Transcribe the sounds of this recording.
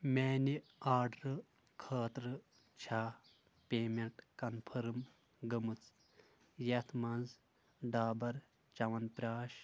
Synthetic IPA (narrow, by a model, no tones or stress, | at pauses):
meːniaːɾɖɾɨ | kʰɐːt̪ɾɨ | t͡ʃʰaː | pʲeːmeɳʈkɐnpʰɐɾɨm | ɡɐmut͡s | jɐt̪ʰmɐnz | ɖaːbɐɾ | t͡ʃɐʋɐnpɾʲaːʃ